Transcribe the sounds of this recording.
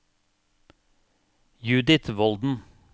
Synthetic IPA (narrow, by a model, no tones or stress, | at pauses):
jʉːd̪ɪt̪ʋɔld̪n̩